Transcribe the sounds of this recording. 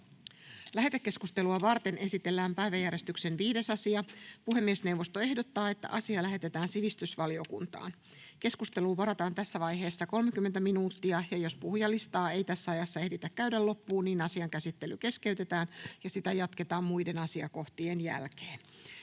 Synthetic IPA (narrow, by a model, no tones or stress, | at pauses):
læɦe̞t̪ekːe̞skust̪e̞luɑʋɑrt̪e̞nʔe̞sit̪elːæːmpæjʋæjæɾje̞st̪ykse̞nʋiːde̞sɑsiɑpuɦe̞mːiesne̞wʋːo̞st̪o̞e̞hdot̪ːɑːe̞t̪ːæ̰ʔɑsiɑlæɦe̞t̪e̞t̪æːnsiʋist̪ysʋɑliokṵnt̪ɑ̰ːn | ke̞skust̪e̞luːʋɑɾɑt̪ɑːnt̪æsːæʋɑjɦe̞ːsːɑko̞lmek̟ymːent̪æminuːt̪ːiɑjɑjo̞spuhjɑlːist̪ɑːe̞jt̪æsːæɑjɑsːɑe̞hdit̪ækːæydælːo̞pːuːniːnɑsiɑŋkæsit̪ːe̞lyke̞ske̞yt̪e̞t̪æːnjɑsit̪æjɑt̪ket̪ɑːmmuide̞nɑsiɑko̞ht̪iːenjæ̰lkeːn